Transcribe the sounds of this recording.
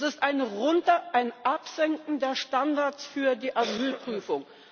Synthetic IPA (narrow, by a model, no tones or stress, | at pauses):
sɪstaɪnʁʊntɐʔaɪnʔapz̥ɛŋkŋ̩deːɐʃtandaɐt͡sfyːɐdiːʔazyːlpʁ̥yːfʊŋ